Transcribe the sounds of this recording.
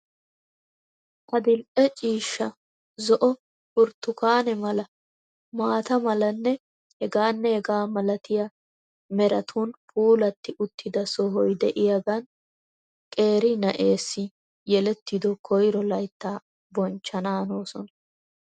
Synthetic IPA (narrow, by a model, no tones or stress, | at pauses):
ʔɐd̪ɪlʔɛt͡ʃʼiːʃːɐ | zɔʔɔ | pʊɾt̪ːʊkaːnɛmɐlɐ | maːt̪ɐmɐlɐnːɛ | hɛɡaːnːɛhɛɡaːmɐlɐt̪ɪjɐ | mɛɾɐt̪ʰunpʰuːlɐt̪ːɪʔʊt̪ːɪd̪ɐsɔɦɔjd̪ɛʔɪjɐɡɐn | kʼe̞ːɾɪnɐʔe̞ːsːɪ | jɛlɛt̪ːɪd̪ɔkʰɔjɾɔlɐjt̪ːaː | bɔnt͡ʃːɐnaːno̞ːsɔnɐ